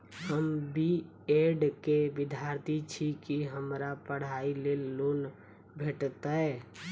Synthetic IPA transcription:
həmbʱi | eɖkeʋɪd̪ʱjaɾt̪ʰit͡ʃʰikiɦəmɾapəɽ̤ailelːoːn | bʱeʈt̪aɛ

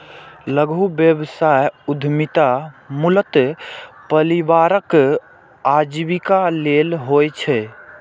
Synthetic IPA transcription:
ləɡubjəbsajud̪ʱmit̪amulət̪pəɾibaɾək | ad͡ʒbikalelɦojt͡ʃʰɛ

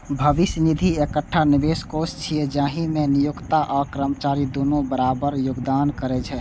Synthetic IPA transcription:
bʱəʋɪsnid̪ʱiekəʈʰːanibeskost͡ʃʰied͡ʒaːɦimẽnijukt̪aʔɔkɾəmət͡ʃaːɾid̪oːnõbəɾaːbəɾjoɡd̪aːnkəɾɛt͡ʃʰɛ

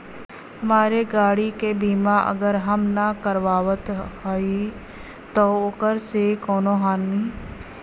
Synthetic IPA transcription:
hɐmaːɾeɡaːɽikebiːmãʔə̰ɡəɾɦəmnakəɾʋaːʋət̪ɦoi | t̪ookəɾsekɔːnoɦaːnmiː

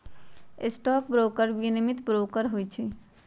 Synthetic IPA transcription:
ɪsʈɔːk̚bɾoːkəɾʋinimɪt̪bɾoːkəɾɦoːit͡ʃʰi

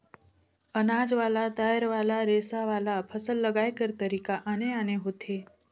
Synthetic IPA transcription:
ənad͡ʒʋalat̪ajəɾʋaːlaɾesaʋaːlapʰəsəlːəɡajkəɾt̪əɾiːkaʔaneaneɦot̪ʰe

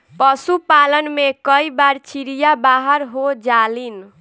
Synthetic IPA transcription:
pəsupalənmekəibaɾt͡ʃʰiɾijabaɦəɾɦod͡ʒalin

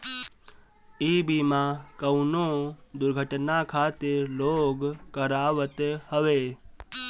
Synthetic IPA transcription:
iːbimãkəwnod̪ʊɾɡʱəʈnakʰaːt̪ɪɾloːɡkəɾaːʋət̪həʋeː

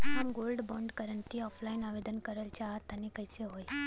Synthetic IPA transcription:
ɦamɡolɖbɔ̃ɳɖkəɾənt̪iɔfʰlainaʋed̪ənkəɾəlt͡ɕaɦat̪anekəjseɦoj

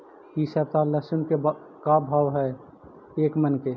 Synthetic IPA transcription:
kiʃət̪aləʃənke | kabʱaːwɦɛ | eːkmənke

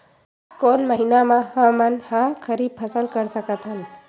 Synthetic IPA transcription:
koːnməɦinamãhə̃mənhakʰəɾib̚pʰəsəlkəɾsəkət̪ɦən

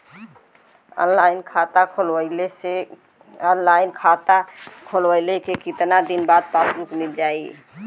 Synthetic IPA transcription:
ə̰nlajnkʰat̪akʰoləɪlese | nlajnkʰat̪akʰolʋəɪlekekit̪nad̪inbad̪̚palɾuk̪mild͡ʒai

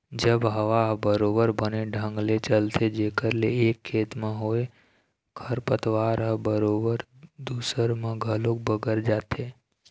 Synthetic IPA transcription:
d͡ʒəbɦəʋaɦəbəɾobəɾbəneɖʱə̃ŋɡlet͡ʃəlt̪ʰed͡ʒekəɾleekʰːet̪mãɦoj | kʰəɾpət̪ʋaɾɦəbəɾobəɾd̪usəɾmãɡʱəlok̚bəɡəɾd͡ʒat̪ʰe

